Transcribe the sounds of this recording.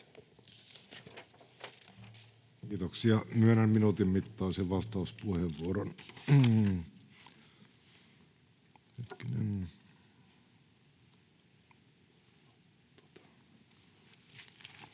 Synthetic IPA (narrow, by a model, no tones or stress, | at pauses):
kiːt̪oksiɑmyænæmminut̪immit̪ːɑːseʋʋɑst̪ɑuspuheʋːuoɾon | het̪kinḛn | t̪o̥t̪ɑ̥